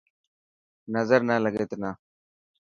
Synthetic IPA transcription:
nəzəɾnələɡeːt̪ena

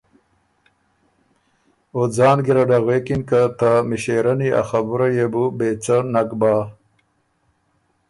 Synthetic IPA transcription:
od͡zɑːnɡiɾaɖaɣweːkinkat̪amiɕeɾɐnia̰xabuɾajebubet͡sanakbaː

